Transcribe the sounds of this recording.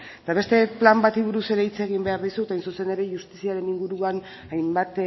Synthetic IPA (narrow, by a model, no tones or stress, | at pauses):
et̪aβe̞st̪e̞plambat̪iβuɾuse̞ɾe̞it͡seɣ̞imbe̞aɾðisut̪ajnsuse̞ne̞ɾe̞ʝust̪isiaɾe̞niŋɡuɾuan | ajmbat̪